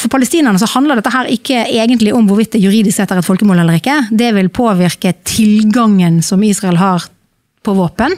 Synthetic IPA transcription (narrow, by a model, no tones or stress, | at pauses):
fɔɾpʰɑləst̪iːnəʁnəsɔhɑnd̪ləʁd̪ɛt̪ːəɦæːɾɪkːəeːɡənt̪lɪʔʊmʋʊɾʋɪt̪̚d̪ɛjʉɾiːd̪ɪsksɛt̪ːæɾɛt̪fɔlkəmoːlɛlːəɾɪkːəd̪ɛʋɪlpʰoːʋɪʁkət̪ʰɪlɡɑŋːənsɔmiːsʁɑɛlɦɑːʁ | pʰɔʋoːpən